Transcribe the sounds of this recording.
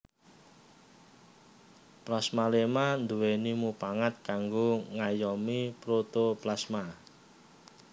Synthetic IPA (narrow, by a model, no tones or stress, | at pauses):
plasmalemand̪uwenimupaŋat̪̚kaŋɡoŋajɔmipɾot̪oplasma